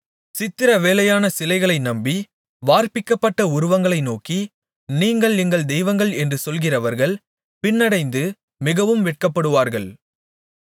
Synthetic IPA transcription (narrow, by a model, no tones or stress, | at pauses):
sɪt̪ːɪɾɐʋeːlɐjaːnɐsɪlɐɪɣɐɭɐɪnɐmbi | ʋaːɾpɪkːɐpːɐʈːɐʊɾʊʋɐŋɡɐɭɐɪnoːki | niːŋɡɐɭɛŋɡɐɭd̪ɛjʋɐŋɡɐɭɛndrɯsɔlɣɪrɐʋɐɾɣɐɭ | pɪnːɐɽɐɪnd̪ɯ | mɪɣɐʋɯmʋɛʈ̚kɐpːɐɽɯʋaːɾɣɐɭ